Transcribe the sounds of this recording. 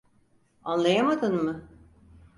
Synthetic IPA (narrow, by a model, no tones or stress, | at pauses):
anlˠajamad̪ɯnmɯ